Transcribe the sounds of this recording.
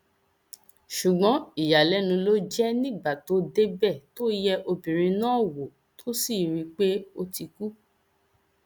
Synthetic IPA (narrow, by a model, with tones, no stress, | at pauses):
ʃu˨ɡ͡bɔ̃˨˦i˨ja˨lɛ˨˦nũ˧lo˦d͡ʒɛ˦nĩ˦˨ɡ͡ba˦˨to˨˦de˦bɛ˦˨to˦jɛ˧˦ʔo˧bĩ˨ɾ̃ĩ˧nãː˦˨wo˨ | tʰo˦si˦˨ɾi˧k͡pe˦o˧ti˧ku˦